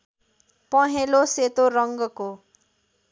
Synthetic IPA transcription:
pʌɦeloset̪oɾʌŋɡʌko

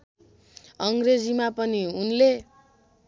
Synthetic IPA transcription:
ʌŋɡred͡zimapʌniunle

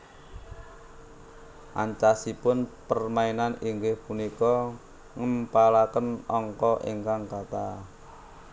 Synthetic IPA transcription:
ʔa̰ɲt͡ʃasipʊnpərmainaniŋɡɪhpunikɔ | ŋəmpalakənɔŋkɔʔḛŋkaŋkat̪a

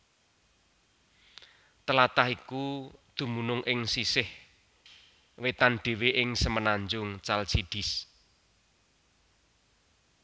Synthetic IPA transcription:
t̪əlat̪ahikud̪̥ṳmunʊŋʔɪŋsisɪh | wet̪anɖ̪̥e̤weʔɪŋsəmənaɲd͡ʒʊŋt͡ʃalsiɖ̪̥ɪ̤s

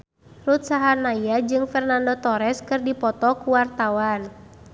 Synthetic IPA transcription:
rut̪saɦanajjad͡ʒɨŋfɛrnandɔt̪ɔɾɛskɨrdipɔt̪ɔkuwart̪awan

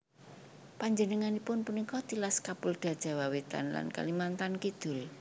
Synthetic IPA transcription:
paɲd͡ʒənəŋanipʊnpunikɔt̪ilaskapʊld̪̥a̤d̥ʒ̥a̤wawet̪a̰nla̰nka̰limant̪ankid̪̥ʊ̤l

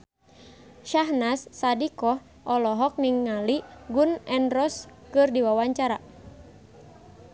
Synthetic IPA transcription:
ʃaɦnasːadikɔh | ʔɔlɔɦɔk̚niŋːaliɡunɛnrɔskɨrdiwawaɲt͡ʃaɾa

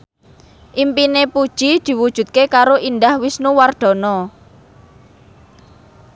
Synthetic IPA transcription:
ʔimpinepud̥ʒ̥id̪̥i̤wud̥ʒ̥ṳt̪̚kekaɾoʔind̪ahwisnuward̪̥ɔ̤nɔ

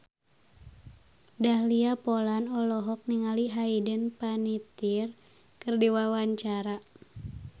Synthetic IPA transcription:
dahliapɔlanɔlɔɦɔk̚niŋaliɦaidənpanit̪ir | kɨrdiwawaɲt͡ʃaɾa

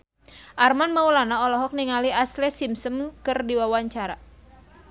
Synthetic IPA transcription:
ʔarmanmaulanaɔlɔɦɔk̚niŋaliaslɛsimsəmkɨrdiwawaɲt͡ʃaɾa

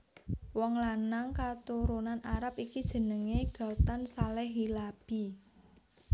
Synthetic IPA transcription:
wɔŋlanaŋkat̪uɾunanaɾapikid̥ʒ̥ə̤nəŋeɡ̥a̤t̪ansalɛɦilab̥i̤

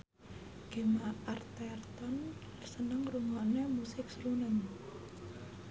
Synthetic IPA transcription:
ɡ̥emaart̪ɛrt̪ɔn | rsənəŋruŋanemusɪk̚sɾunən

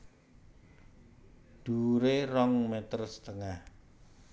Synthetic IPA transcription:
d̪̥uɾerɔŋmɛt̪ərsə̥t̪əŋah

